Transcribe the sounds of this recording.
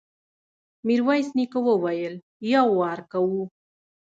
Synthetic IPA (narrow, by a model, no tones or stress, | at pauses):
miɾwajsnikowəwajəl | jawːɑɾkawu